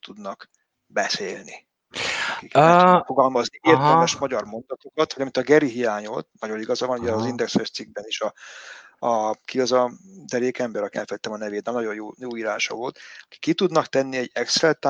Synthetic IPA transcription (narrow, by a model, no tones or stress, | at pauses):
t̪ud̪nɒk | bɛseːlni | kikfoɡɒlmɒznieːrt̪ɛlmɛʃmɒɟɒrmo̞nd̪ɒt̪o̞kɒt̪ʋɒɟɒmint̪ɒɡɛɾiɦijaːɲo̰t̪nɒɟo̞niɡɒzɒvɒnuɟɛːzind̪ɛksføst̪siɡ̚bɛniʃɒ | kiɒzɒd̪ɛɾeːkɛmbɛɾɒkiɛ̰lfɛlit̪ːɛmɒnɛveːt̪nɛmnɒɟo̞jjoːjoːiːɾaːnʃɒ̰voːlt̪ɒki̥kːit̪ud̪nɒkt̪ɛnːiɛɟːɛksɾɛlt̪ː